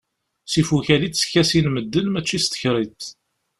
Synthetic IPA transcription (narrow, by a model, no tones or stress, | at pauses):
sifuçælit̪sçæsinməd̪ːənmæt͡ʃːist̪ə̥çɾˤit̪